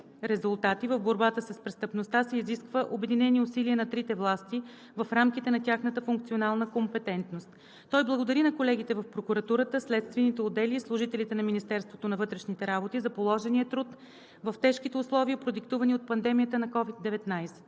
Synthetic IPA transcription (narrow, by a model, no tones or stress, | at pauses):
ɾɛzʊlˠt̪at̪ivəvboɾbat̪əsəspɾɛst̪əpnost̪asɛiziskvəʔobɛd̪inɛniʊsiliənɐt̪ɾit̪ɛvlˠast̪i | vɐfɾamkit̪ɛnɐt̪ʲjaxnət̪əfuŋk̚t̪sionalˠnəkompɛt̪ɛnt̪nost̪ | t̪ːɔjblˠɐɡod̪ɐɾinɐkolɛɡ̟it̪ɛvɐfpɾokuɾɐt̪uɾət̪əslɛt̪st̪vɛnit̪ɛʊd̪ɛlislˠʊʒit̪ɛlit̪ɛnɐminist̪ɛɾst̪vot̪onɐvɤt̪ɾɛʃnit̪ɛɾabot̪izɐpolˠɔʒɛniət̪ɾut̪ | vɐft̪ɛʃkit̪ɛʊslˠɔviəpɾod̪ikt̪uvəniot̪̚pɐnd̪ɛmijət̪ənɐkɔvid̪ːɛvɛt̪najsɛ̥